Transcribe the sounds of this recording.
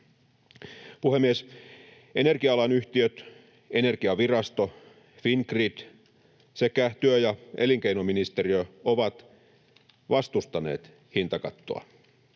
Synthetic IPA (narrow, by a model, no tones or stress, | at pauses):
puhemːies | enerkiɑɑlɑnyht̪iøt̪ | e̞ne̞rkiɑʋirɑst̪o | finkrid̪̥ | sekæt̪yøjɑeliŋkeinominist̪eriøoʋɑt̪ | ʋɑst̪ust̪ɑnḛːt̪ | hint̪ɑkɑt̪ːo̰ɑ̰